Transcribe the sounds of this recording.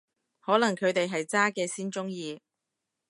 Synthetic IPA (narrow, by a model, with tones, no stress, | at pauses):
hɔː˨˥lɐ˨˩ŋkʰɵ˨˧ɥt̪e˨jɦɐ˨jt͡saː˥kɛː˧siː˥nt͡sʊ˥ŋjiː˧